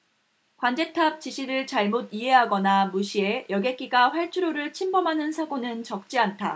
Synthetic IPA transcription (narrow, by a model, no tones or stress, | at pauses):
kwand͡ʑe̞tʰap̚t͡ɕiɕʰiɾɯɭt͡ɕaɭmodiɦe̞ɦaɡʌnamuɕʰie̞jʌɡek͈iɡaɸwaɭt͡ɕʰuɾoɾɯɭt͡ɕʰimbʌmɦanɯnsʰaɡonɯnt͡ɕʌk̚t͡ɕ͈iantʰa̰